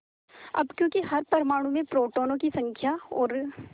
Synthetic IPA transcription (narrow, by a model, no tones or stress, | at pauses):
ɐ̰bkjõːkiɦɐɾpɐɾmaːɽ̃ũmẽpɾoːʈoːnõkisɐ̃ŋkʰjaɔːɾ